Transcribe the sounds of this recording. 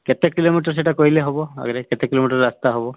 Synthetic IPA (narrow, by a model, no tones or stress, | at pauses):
kɛtɛkilomitɔɹs̬ɛtakoɹilɛɦobɔa̰ɡɔɾɛkɛtɛkilomitɔɹɹast̪aɦobɔ